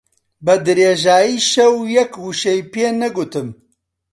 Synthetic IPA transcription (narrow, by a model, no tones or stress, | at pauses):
bɐd̪ɨɾeːʒaːjiːʃɛwjɛkhuʃɛjpeːnɐɡut̪ɨm